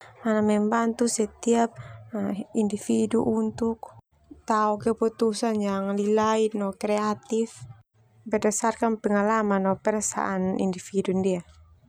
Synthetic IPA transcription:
manamɛmbant̪usɛt̪iap̚ | indifidṵʔunt̪uk̚ | t̪aɔkɛput̪usanjaŋlilainɔkɾɛat̪if | bɛdasarkanpɛŋalamanɔpɛrsa̰ʔanḭndifidundia

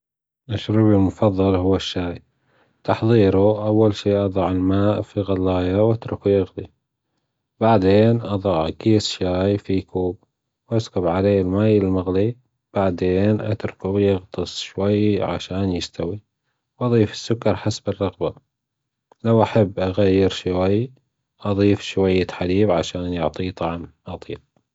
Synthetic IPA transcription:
ʔaʃɾubilmʊfɑðˤːɑlhʊwːaʃːaːj | t̪ɑħðˤiːɾuʔawːalʃiːʔɑðˤɑʕɪlmaːʔfiɣɑlːɑːjawʔat̪ɾʊkujɪɣt̪i | b̥aʕd̪eːnʔɑðˤɑʕɡiːsʃaːjfikuːb̚ | wʔaskʊbʕaleːlmaːjɪlmaɣli | b̥aʕd̪eːnʔa̰t̪ɾkubjɪɣt̪ˤɨsˤʃwajːʕa̰ʃaːnjɪst̪awi | wʔɑðˤiːfɪ̥sːʊkːɑɾˤħasbɪrˤːɑɣba | lawʔaħabːʔaɣajːɪɾʃwaj | ʔɑðˤiːfʃwajːat̪ħaliːbʕaʃaːnjʊʕt̪ˤit̪ˤɑʕmʔɑt̪ˤiːl̚

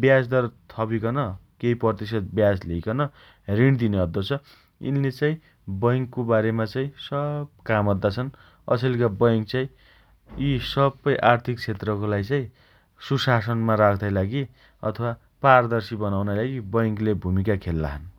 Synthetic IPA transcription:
bjasd̪ʌrt̪ʰʌbikʌnʌ | keipʌrt̪is̬ʌt̪̚bjaslejkʌnʌ | riɳ̃d̪ineʌd̪ːot͡sʰʌ | ḭnːet͡sãĩ | bʌjŋkːobaɾemat͡saĩsʌbkamʌd̪ːat͡sʰʌn | ʌ̰sʰelkabʌjŋk̚t͡saĩ | isʌbʌjʔart̪ʰik̚t͡sʰet̪rʌkolajt͡saĩ | susasʌnmaɾakʰd̪ajlaɡi | ʌ̰t̪ʰʌwa | pard̪ʌrsibʌnawnajlaɡibʌjŋklebʱumikakʰelːa̰ɦʌn

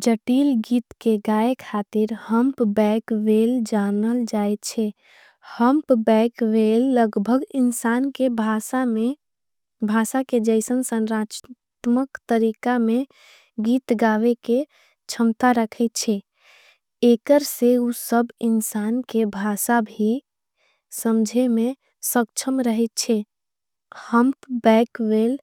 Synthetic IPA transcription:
d͡ʒəʈilɡit̪keɡaekʰat̪iɾhəmpbɛkʋeld͡ʒanəld͡ʒaet̪t͡ʃʰɛ | həmpbɛkʋelːəɡbʱəɡinsankebʱasame | bʱasaked͡ʒəɪsənsənɾat͡ʃt̪məkt̪əɾikame | ɡit̪ɡaʋeke | t͡ʃʰəmt̪aɾəkʰɛt̪̚t͡ʃʰɛ | ekəɾseusəbinsankebʱasabʱi | səmd͡ʒʱeme | sək̚t͡ʃʰəmɾəɦɛt̪̚t͡ʃʰɛ | həmpbɛkʋel

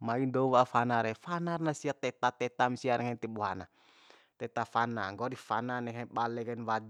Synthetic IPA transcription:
maindɔwafanaɾɛfanarnasiat̪ɛt̪at̪ɛt̪amsianɛŋant̪ibuɦana̰ | t̪ɛt̪afana̰ŋɡɔdifa̰nanɛŋaɓalɛkanwad

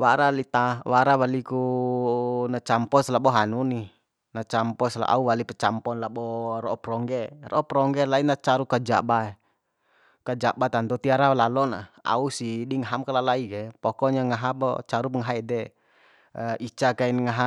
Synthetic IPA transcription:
waɾalit̪awaɾawaliku | nat͡ʃampɔslabɔɦanuni | nat͡ʃampɔsla̰ʔa̰uwalipɛt͡ʃampɔnlabɔɾɔʔɔpɾɔŋɡɛrɔɔpɾɔŋɡɛlainat͡ʃaɾukad͡ʒa̰baɛ | kad͡ʒabat̪ant̪ut̪iaɾalalɔna̰a̰usidiŋaɦamkalalaiɡɛpɔkɔɲaŋaɦabɔ̰t͡ʃaɾupəŋaɦaɛdɛ | it͡ʃakainŋaɦa

